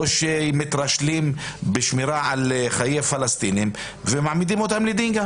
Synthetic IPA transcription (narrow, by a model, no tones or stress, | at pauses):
ʃemet̪ɾaʃlimbeʃmiɾaʕalχajejafalast̪inim | vemaʕmid̪imot̪amled̪iŋɡa